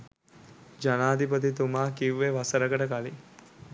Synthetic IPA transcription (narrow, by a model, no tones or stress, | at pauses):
d͡ʒanaːd̪ipət̪̬it̪umaːkiʋːeʋasəɾəɡəʈəkali